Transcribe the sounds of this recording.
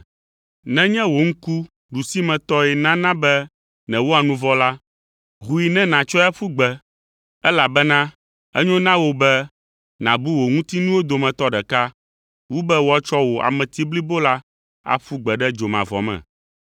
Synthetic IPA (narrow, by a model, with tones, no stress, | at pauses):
nɛ̃˦ɲɛ̃˦wo˨ŋ̩˦ku˦ | ɖu˨si˦mɛ̃˨t̪ɔ˦ɛ˨nã˦nã˦bɛ˦ | nɛ̃˨wo˦a˨nũ˦vɔ˦la˦ | ɦu˨i˨nɛ̃˦nã˨t͡ʃɔ˦a˦ɸu˦ɡ͡bɛ˨ | ɛ˦la˨bɛ˦nã˦ | ɛ̰˦ɲõ˦nã˦wo˦bɛ˦ | nã̰˨bu˦wo˨ŋũ˦t̪i˦nũ˦wo˦d̪o˨mɛ̃˨t̪ɔ˦ɖɛ˨ka˦ | wu˦bɛ˦wo˦a˨t͡ʃɔ˦wo˨ʔa̰˨mɛ̃˨t̪i˦bli˦bo˦la˦ | a̰˨ɸu˦ɡ͡bɛ˨ɖɛ˦d͡ʒo˨mã̰˨vɔ̰˨mɛ̰̃˨